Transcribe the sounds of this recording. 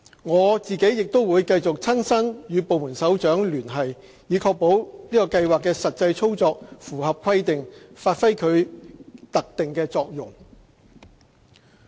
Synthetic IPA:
ŋɔː˨˧t͡siː˨ke˨˥jjɪ˨k̚t̪o˥wuː˨˧jkɐ˧jt͡sʊ˨k̚t͡sʰɐ˥nsɐ˥njyː˨˧po˨wmuː˨˩nsɐ˨˥wt͡ʃœː˨˥ŋlyː˨˩nɦɐ˨j | jiː˨˧˥kʰɔː˧k̚po˨˥wliː˥kɔː˧kɐ˧jwaː˨kːɛː˧sɐ˨t̚t͡sɐ˧jt͡sʰo˥wt͡sɔː˧k̚fuː˨˩ɦɐ˨p̚kʷʰɐ˥jt̪ɪ˨ŋfaː˧t̚fɐ˥jkʰɵ˨˧ɥt̪ɐ˨k̚t̪ɪ˨ŋkɛː˧t͡sɔː˧k̚jʊ̰˨˩ŋ

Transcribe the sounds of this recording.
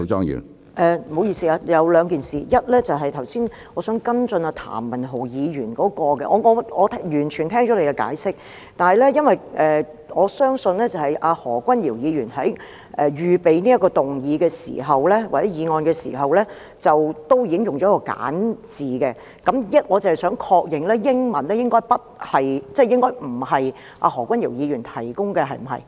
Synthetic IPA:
t͡ʃɔ̰ː˥ŋjy̰ː˨˩ | ʔɛː˨˧mo˨˧wjiː˧siː˧aː˧jɐ˨˧wlœː˨˧ŋkiː˨nsiː˨jɐ˥t̚lɛː˥t͡sɐ˨wɦɐ˨jt̪ʰɐ˨˩wsiː˥n | ŋɔː˨˧sœː˨˥ŋkɐ˥nt͡sɵ˧naː˧t̪ʰa̰ː˨˩mːɐ˨˩nɦo˨˩wjiː˨˧jyː˨˩nkɔː˨˥kɔː˧kɛ̰˧ʔɔː˨˧ŋɔ˨˧ɔː˨˧t̪ʰjyː˨˩nt͡ʃʰy˨˩nt̪ʰɛː˥ŋt͡ʃɔ˨˥le˧jkɛ˧ka̰ː˨˥jsɪ˥k̚ | t̪aː˨nhɐ˨jlɛ˥jɐ˥nwɐ˨jʔɛː˨ | ŋɔː˨˧sœː˥ŋsɵ˧nlɛː˥t͡sɐ˨˩hɐ˨jʔaː˧hɔː˨˩kʷɐ˥njiː˨˩wjiː˨˧ɥyː˨˩nɦɐ˨˥j | ʔɛː˨˧ɥyː˨pe˨˧jniː˥jɐ˥kːɔː˧t̪ʊ˨ŋjiː˨˧kɛː˧sḭː˨˩ɦɐ˨wlɛː˥waː˨t͡sɛː˨˥jiː˨˧ŋɔː˧nɡɛː˧sḭː˨˩ɦɐ˨wlɛː˥ | t͡sɐ˨wt̪o˥wjiː˧˦ɪ˥ŋjʊ˨ŋt͡ʃɔ˨˥kːɔː˧ka̰ː˨˥nt͡siː˨kɛ˧ | kɐ˨˥mjɐ˥t̚ŋɔː˨˧t͡sɐ˨˩hɐ˨jsœː˨˥ŋkʰɔː˧k̚jɪ˨ŋlɛː˥jɪ˥ŋmɐ˨˩nlɛː˥jɪ˥ŋkɔː˥jpɐ˥t̚hɐ˨jt͡sɛː˥˩jɪ˥ŋkɔː˥jm̩˨˩hɐ˨j | ʔa̰ː˧ɦɔː˨˩kʷwʷɐ˥njiː˨˩wjiː˨˧jyː˨˩nt̪ʰɐ˨˩jkʊ˥ŋkɛ˧ɦɐ˨jm̩˨˩ɦɐ̰˨˩j

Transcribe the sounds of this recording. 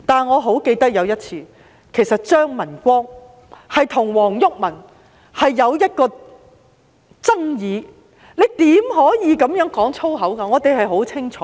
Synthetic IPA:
t̪aː˨nŋɔː˨˧ɦo˨˥wke˧jt̪ɐ˥k̚jɐ˨˧wjɐ˥t̚t͡sʰiː˧ | kʰe˨˩jsɐ˨t̚t͡ʃœː˥ŋmɐ˨˩nkʷɔː˥ŋ | hɐ˨jt̪ʰʊ˨˩ŋwɔː˨˩ŋjʊ˥k̚mɐ˨˩n | hɐ˨jːɐ˨˧wjɐ˥t̚kɔː˧ | t͡sɐ˥ŋjiː˨˧ | ne˨˧jt̪iː˨˥mɦɔː˨˥jiː˨˧kɐ˨˧˥mjœː˨˥ŋkɔː˨˥ŋt͡sʰo˥wɦɐ˨˥wkaː˧ŋɔː˨˧t̪e˨jɦɐ˨jɦo˨˥wt͡sʰɪ˥ŋt͡ʃʰɔː˨

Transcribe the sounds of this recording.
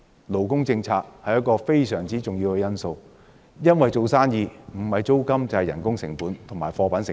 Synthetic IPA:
lo˨wkʊ˥ŋt͡sɪ˧ŋt͡sʰaː˧k̚hɐ˨jɐ˥kɔː˧fe˥jsœː˨˩ŋt͡siː˥t͡sʊ˨ŋjiː˧wkɛ˧jɐ˥nso˧w | jɐ˥nwɐ˨jt͡so˨˧wsaː˥njiː˧m̩˨˩hɐ˨jt͡so˥wkɐ˥mt͡sɐ˨˩hɐ˨jɐ̰˨˩nkʊ˥ŋsɪ̰˨˩ŋpuː˨˥nt̪ʰmaː˨˩jfɔː˧pa˨˥nsɪ˨

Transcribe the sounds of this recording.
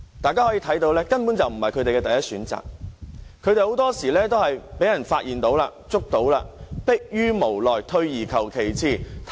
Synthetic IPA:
t̪aː˨kaː˥hɔː˨˥jiː˧t̪ʰɐ˨˥jt̪o˧wlɛː˥kɐ˥npuː˨˥nt͡sɐ˨wm̩˨˩hɐ˨jkʰɵ˨˧ɥt̪e˨jkɛ˧t̪ɐ˨jɐ˥t̚syː˨˥nt͡sa̰ː˨k̚kʰːɵ˨˧ɥɾe˨jho˨˥wt̪ɔː˥siː˨˩lɛː˥t̪o˥wɦɐ˨jpe˨˥jɐ˨˩nfaː˧t̚jʔiː˨nt̪o˨˥wlaː˧t͡sʊ˥k̚t̪o˨˥wla̰ː˧pɪ˥k̚jyː˥mo˨˩wlɔː˨˩jt̪ʰɵ˧ɥjiː˨˩kʰɐ˨˩wkʰe˨˩jt͡sʰiː˨˩t̪ʰ

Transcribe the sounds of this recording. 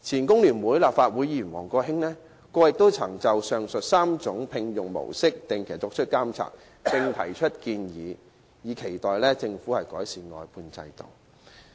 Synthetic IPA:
t͡sʰiː˨˩nkʊ˥ŋliː˨˩nwuː˨˥jlaː˨p̚faː˧t̚wuː˨˥jji˨˩nwɔ̰ː˨˩ŋkɔː˧ɦɪ˥ŋlɛː˥ | kɔː˧jɪ˨k̚t̪o˥wt͡sʰɐ˨˩ŋt͡sɐ˨wsœː˨ŋsɵ˨t̚saː˥mt͡sʊ˨˥ŋpʰɪ˧ŋjʊ˨ŋmo̰˨˩wsɪ˥k̚t̪ɪ˨ŋkʰe˨˩˨t͡sɔː˨˥t͡ʃʰɵ˥t̚kaː˥mt͡sʰa̰ː˨k̚ | t͡sɪ˧ŋt̪ʰɐ˨˩jt͡ʃʰɵ˥t̚kiː˧njiː˨˥ | jiː˨˥kʰe˨˩jt̪ɔː˨˩jlɛː˥t͡sɪ˧ŋfuː˨˥hɐ˨jkɔː˨˥jsiː˨˩ŋɔ̰ː˨˧jpʰuː˧nt͡sɐ̰˧jt̪o̰˨w

